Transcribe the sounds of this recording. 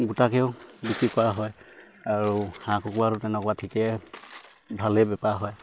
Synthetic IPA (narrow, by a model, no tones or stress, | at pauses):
ɡutakɛʊbikɹikɔaɦɔj | aɹuhãkʰukuaɹutɛnɛkɔwatʰikɛ | bʱalɛbɛpaɦɔj